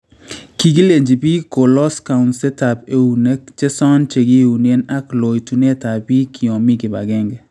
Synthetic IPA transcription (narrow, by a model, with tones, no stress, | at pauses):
ki˨ɡi˦le˨ɲd͡ʒi˨pi˦ko˨lɔ˦ska˨nsɛ˦ta˨pe˦u˨ne˦k̚t͡ʃɛ˦sɔ˦nt͡ʃe˨ɡi˦u˨ne˦na˦klo˨jtu˨ne˦ta˨pi˦kʰi˨ɔ˨mi˦kɪ˨ba̰˨ɡɛ˦ŋɡɛ˨